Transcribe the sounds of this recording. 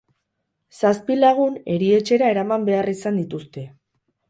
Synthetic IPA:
saspilaɣ̞une̞ɾie̞t͡ʃe̞ɾae̞ɾamambe̞arisand̪it̪ust̪e̞

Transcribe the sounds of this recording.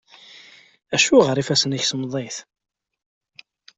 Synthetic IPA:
æʃuʁəɾˤifæsəniçsmðˤeθ

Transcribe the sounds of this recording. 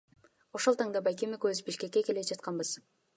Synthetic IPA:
o̞ʃo̞lˠt̪ɑŋd̪ɑbajkemikøzbiʃke̞kːe̞ke̞led͡ʒɑt̪̚qɑnbɯz̥

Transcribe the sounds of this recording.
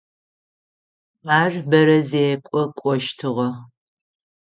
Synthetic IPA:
aːrbɐɾɐzeːkʷʼɔkʷʼɔʃtʰɨʁɐ

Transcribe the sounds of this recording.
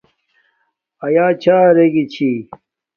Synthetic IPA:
ɐjaːt͡ɕʰaːɾeɡit͡ɕʰi

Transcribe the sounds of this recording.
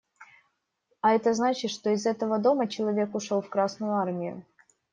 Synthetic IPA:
ɐɛt̪əznat͡ɕɪt̪ʂt̪o̞ɪzɛt̪əvəd̪o̞mət͡ɕɪlˠɐvʲe̞kʊʂo̞lˠfkɾasnʊjʊarmʲɪjʊ̰

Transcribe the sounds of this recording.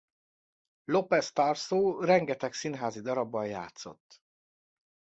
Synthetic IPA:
lo̞pɛst̪aːrsoːrɛŋɡɛt̪ɛksinɦaːzid̪ɒɾɒbːɒjja̰ːt̪so̞̰t̪ː

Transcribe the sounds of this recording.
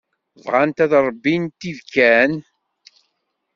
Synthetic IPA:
vʁant̪æðɾˤəbːint̪ːivkːæn

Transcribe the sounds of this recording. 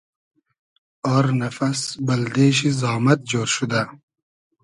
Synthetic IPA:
ɔːɾnafasbɐld̪eːʃ̬izɑːmat̪̚d͡ʒoːɾʃud̪a

